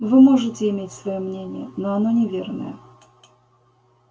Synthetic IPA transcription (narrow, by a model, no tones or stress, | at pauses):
vɨmoʐɨtʲɪɪmʲetʲsvɐjomnʲenʲɪjənoɐnonʲɪvʲe̞rnə̰jə